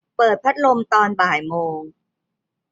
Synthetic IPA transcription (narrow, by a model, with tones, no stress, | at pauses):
pɤː˨˩t̪̚pʰa˦˥t̪̚lo˧mt̪ɔː˧nbaː˨˩jmoː˧ŋ